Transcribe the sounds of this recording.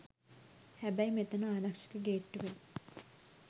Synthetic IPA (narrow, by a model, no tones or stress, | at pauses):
hɛbɐimet̪ɐnaːɾɐkʂi̥kəɡeːʈːuʋe